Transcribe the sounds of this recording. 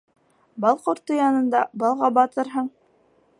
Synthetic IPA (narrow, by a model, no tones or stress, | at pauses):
bɑlˠqŏɾt̪ːojɑnɤ̆nd̪ɑbɑlˠʁɑbɑt̪ɤɾɦɤɴ